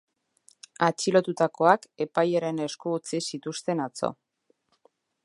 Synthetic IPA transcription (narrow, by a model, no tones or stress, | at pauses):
at͡ʃilo̞t̪ut̪ako̞ake̞pajaɾe̞ne̞skuut͡sisit̪ust̪e̞nat͡so̞̰